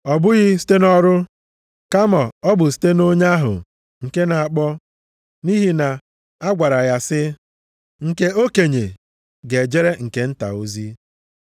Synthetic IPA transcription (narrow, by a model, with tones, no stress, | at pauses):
ɔ˨bʊ˦ɣɪ˦si̥˦te˦nɔ˦ɾʊ˦ | ka˦ma˨ɔ˦bʊ˨s̬i̥˦te˦no˦ɲa˦ɦʊ̰˨ | ŋ̩˨ke˦na˨a˨k͡pɔ˦ | ni˦ɦi˨na˨ | a˦ɡʷa˨ɾa˨ɣa˦sɪ˦ | ŋ̩˨ke˦o˦ke˨ɲe˨ | ɡe˨d͡ʒe˦ɾe˦ŋ̩˨ke˦n̩˦ta̰˨o˦zi˦